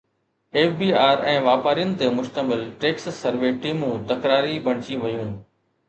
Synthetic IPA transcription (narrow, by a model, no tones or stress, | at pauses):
eːfbiːaːɾɛ̃ːʋaːpaːɾijənɪ̆t̪emʊʃt̪əmɪlʈeːkssəɾʋeːʈiːmũːt̪ɐkɾaːɾibɐɽ̤̃t͡ɕĩʋɐjũː